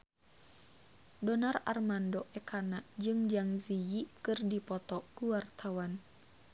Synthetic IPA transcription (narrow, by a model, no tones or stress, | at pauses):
dɔnara̰rmandɔʔɛkʰanad͡ʒɨŋd͡ʒaŋzijikɨrdipɔt̪ɔkuwart̪awan